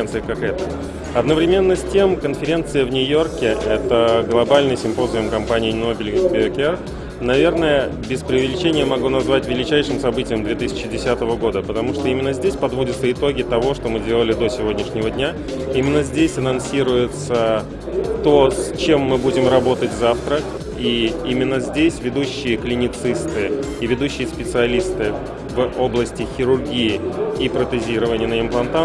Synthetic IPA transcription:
nt̪sɨɪkakɛt̪ə | ɐd̪nəvɾʲɪmʲe̞nːəsʲtʲe̞mkənfʲɪɾʲe̞nt̪sɨjəvnʲʊjo̞rkʲɪʔɛt̪əɡlˠɐbalʲnɨjsʲɪmpo̞zjomkɐmpanʲɪjɪnːo̞bʲɪlʲɡsbʲɪokʲɛr | nɐvʲe̞rnəjəbʲɪspɾʲɪʊvʲɪlʲɪt͡ɕenʲɪjəmɐɡunɐzvatʲvʲɪlʲɪt͡ɕæjʂɨmsɐbɨtʲɪjɪmd̪vʲe̞t̪ɨsʲɪ̥t͡ɕːɪdʲɪsʲat̪əvəɡo̞d̪əpət̪ɐmuʂt̪o̞imʲɪnːəzʲdʲesʲpɐd̪vo̞dʲɪt̪səɪt̪o̞ɡʲɪt̪ɐvo̞ʂt̪o̞mɨdʲelˠəlʲɪd̪o̞sʲɪvo̞dʲnʲɪʂnʲɪvədʲnʲa | imʲɪnːəzʲdʲesʲɐnɐnsʲiɾʊjɪt̪sə | t̪o̞sʲt͡ɕe̞mːɨbudʲɪmrɐbo̞t̪ətʲzaft̪ɾə | iimʲɪnːəzʲdʲesʲvʲɪd̪uɕːɪjəklʲɪnʲɪt̪sɨst̪ɨ | ivʲɪd̪uɕːɪjəspʲɪt̪sɨɐlʲist̪ɨ | vo̞blˠəsʲtʲɪxʲɪɾʊrɡʲijɪipɾət̪ɨzʲiɾəvənʲɪjənəɪmplˠɐnt̪a

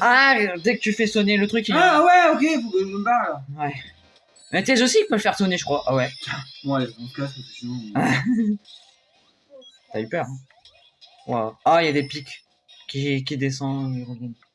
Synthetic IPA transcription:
ad̪ekət̪yfɛsɔnelət̪χykiwɛokʲebawɛ | mɛt̪yɛzosipøləfɛʁsɔneʒəkχwaʔawɛwɛɔ̃t̪ukaset̪et̪yvũɛ | t̪aypœʁɛ̃ | wa̰wailjad̪epikʲ | kʲik̬ʲid̪es̬ɑ̃øiʁəvjan

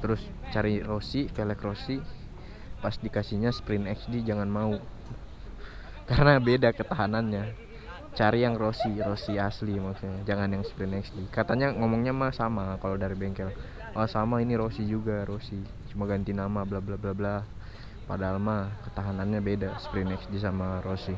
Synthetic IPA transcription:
t̪əɾʊst͡ʃaɾirosikɛlɛkrosi | pasdikasiɲaspɾɪnɛksdid͡ʒaŋanmau | kaɾənabedakət̪aɦananɲa | t͡ʃaɾijaŋrosiɾosiaslimaksuɲad͡ʒaŋanjaŋspɾɪnɛksdikat̪aɲaŋomɔŋɲamasamakalodaɾibɛŋkɛl | ʔasamainiɾosid͡ʒuɡaɾosi | t͡ʃumaɡant̪inamablablablabla | padaːlmakə̥t̪aɦananɲabedasə̥pɾinɛksdis̬amarosi

